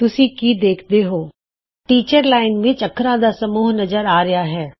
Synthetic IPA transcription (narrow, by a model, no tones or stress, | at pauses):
t̪ʊsĩːkiːd̪eːkʰd̪eɦoː | ʈiːt͡ʃəɾlaːɪnʋẽt͡ʃəkʰːɾãːd̪aːsəmuːɦnəzəɾaːɾɐjaɦɛː